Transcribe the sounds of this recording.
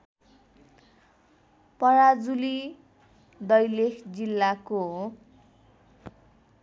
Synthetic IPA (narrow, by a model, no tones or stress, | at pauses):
pʌɾad͡zuli | d̪ʌjlekʰd͡zilːako